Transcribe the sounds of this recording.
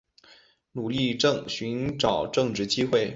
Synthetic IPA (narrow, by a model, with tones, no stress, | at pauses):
nu˨˩li˥˧ʈ͡ʂɤ˥˧ŋɕy˧˥nʈ͡ʂɑ˨˩ʊʈ͡ʂɤ˥˧ŋʈ͡ʂɻ̩˥˩t͡ɕi˥xwe˥˩ɪ